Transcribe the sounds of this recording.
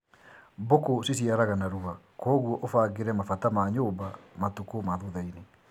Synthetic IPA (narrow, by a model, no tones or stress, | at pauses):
bokosis̬iaɾaɣanaɾua | kwɔɣwɔʔofaːɡeɾɛmafatamaɲoːbamatukomaðuðaine